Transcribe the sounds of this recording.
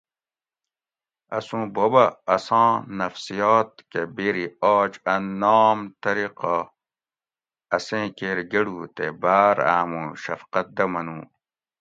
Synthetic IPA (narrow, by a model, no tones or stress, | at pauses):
ɐ̰sũːbobɐːsɑ̃ːnɐfsijaːt̪̚kebeɾiaːt͡ɕɐnːoːmt̪ɐɾiqa | ɐsẽːkeːɾɡeɽut̪ebaːɾa̰ːmũɕɐ̰fqɐt̪̚d̪ɐmɐnũː